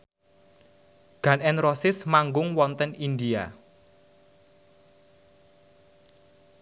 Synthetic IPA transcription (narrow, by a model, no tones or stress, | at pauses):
ɡ̥ä̤nɛnrɔsɪsmaŋɡʊŋwɔnt̪ənind̪ia